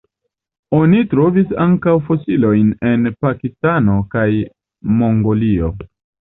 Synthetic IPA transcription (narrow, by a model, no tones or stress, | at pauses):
o̞nitɾo̞visaŋkawfo̞silo̞jne̞npakistano̞kaj | mo̞ŋɡo̞lio̞